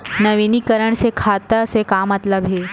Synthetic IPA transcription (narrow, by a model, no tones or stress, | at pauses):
nɐʋinikəɾəɳ̃sekʰat̪əsekamɐt̪ləbɦe